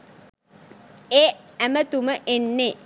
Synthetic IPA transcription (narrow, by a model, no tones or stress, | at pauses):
eæmət̪uməʔenːe